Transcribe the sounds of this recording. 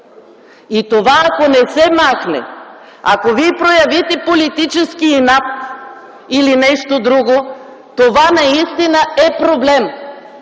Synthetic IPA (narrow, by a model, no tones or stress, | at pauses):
it̪ovaːkonɛsɛmaxnɛ̰ | a̰kovipɾojɐvit̪ɛpolit̪it͡ʃɛskinapt̪ | ilinɛʃt̪od̪ɾuɡo | t̪ovanɐist̪inəɛpɾoblɛm